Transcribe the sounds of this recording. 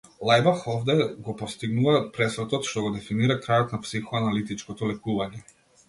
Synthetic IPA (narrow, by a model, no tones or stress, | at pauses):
lˠajbaxɔvd̪ɛɡɔpɔst̪iɡnuvapɾɛsɾɔt̪ɔt̪ʃt̪ɔɡɔd̪ɛfiniɾakɾajɔt̪napsixɔanalit̪it͡ʃkɔt̪ɔlɛkuvaɲɛ